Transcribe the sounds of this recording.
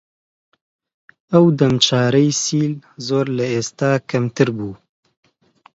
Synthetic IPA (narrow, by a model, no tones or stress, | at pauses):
ɐwd̪ɐmt͡ʃɑːɾɐjsiːlzoːɾlɐeːst̪aːkʰɐmt̪ɨɾbuː